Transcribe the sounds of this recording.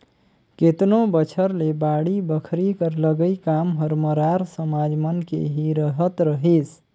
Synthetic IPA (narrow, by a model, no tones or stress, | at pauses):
ket̪nobət͡ʃʰəɾlebaɽibəkʰɾikəɾləɡəjkamɦəɾməɾaɾsəmad͡ʒmənkḛɦiɾəɦət̪ɾəɦis